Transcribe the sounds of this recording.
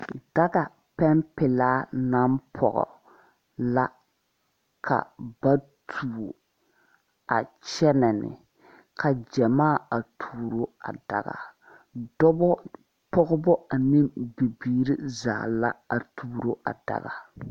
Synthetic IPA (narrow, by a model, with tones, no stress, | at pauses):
da˦ɡa˨ | pɛ˦mpɪ˨laː˦na˦mpʰɔ̰˨ɣɔ̰˨ | la˦ | kʰa̰˨ba˦tʰu˨ | a˨t͡ʃɛ˦na˨nɪ̰˨ | kʰa˨d͡ʒɛ˨maː˦˨a˨tʰuː˨ɾo˦a̰˨da̰˨ɣa̰˨ | dɔ˦bɔ˦ | pɔ˦ɣɔ˦bɔ˦a˨nɪ˦mbi˨biː˦˨ɾi˦za̰ː˨la˦a˨tʰuː˦ɾo˦ʔa̰˨d̥a̰˨ɣa˨